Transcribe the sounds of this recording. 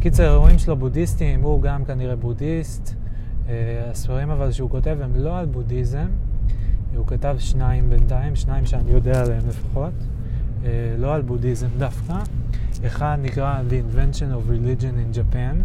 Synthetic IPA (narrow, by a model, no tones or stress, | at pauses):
kit͡seʁeʁoimʃelobudistimuɡamkaniʁe̞budist̪ | asfaʁimavalʃeuko̞te̞vemlo̞albudizem | ukatavʃnaimbe̞ntaimʃnaimʃeanijo̞dealaemle̞fḁχo̞tː | lo̞albudizemdafka | eχad̪nikʁaleinve̞ntʃonovilid͡ʒo̞nind͡ʒapan